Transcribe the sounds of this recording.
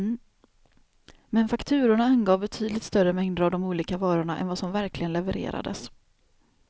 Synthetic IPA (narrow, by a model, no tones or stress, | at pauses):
mɛnfakt̪ʰʉ̟ːɾʊɳaanɡɑːvbɛt̪ʰyːd̪lɪt̪st̪œɾəmɛŋd̪əɾavd̪ɔmuːliːkavɑːɾʊɳaʔɛ̰nvasɔmvæɾklɪɡənlɛvɛɾḛːɾa̰d̪ə̰s